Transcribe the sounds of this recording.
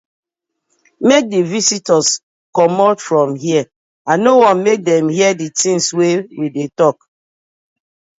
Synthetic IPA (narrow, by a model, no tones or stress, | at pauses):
mek̚divisitɔs | kɔmɔtfɹɔ̃mhiə | anowɔ̃nmek̚dɛ̃mhiəditĩŋswewidetɔk